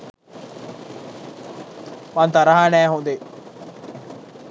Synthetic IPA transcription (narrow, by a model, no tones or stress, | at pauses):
mant̪aɾɐɦanæːɦund̪e